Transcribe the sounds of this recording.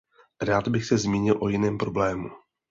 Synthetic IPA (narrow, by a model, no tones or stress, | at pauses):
ɾaːd̪bɪxsɛzmiːɲɪlʔo̞jɪnɛːmpɾo̞blɛːmu